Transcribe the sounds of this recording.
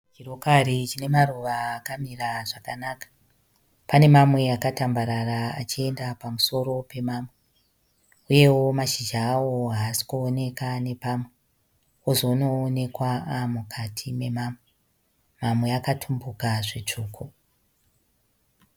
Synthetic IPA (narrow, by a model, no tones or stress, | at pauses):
t͡ʃiro̞karit͡ʃine̞maruʋaːkamiraʐakanakḁ | pane̞mamwe̞akatambaɾaɾaa̰t͡ʃie̞ndapamuso̞ɾo̞pe̞maːmwe̞ | uje̞wo̞maʃid͡ʒaːwoɦaːsi̥kuone̞kane̞pamwe̞ | ozono̞ːne̞kwaamukʰatʰime̞maːmwe | mamwe̞akatʰumbukaʐet͡ʂuːkʰo